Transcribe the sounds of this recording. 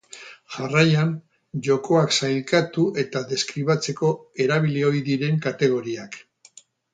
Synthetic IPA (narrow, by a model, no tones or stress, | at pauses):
ʝarajan | ʝo̞ko̞aksajlkat̪uʔe̞t̪aðe̞skɾiβat͡se̞ko̞e̞ɾaβ̞ileo̞jðiɾe̞ŋkat̪e̞ɣ̞o̞ɾiak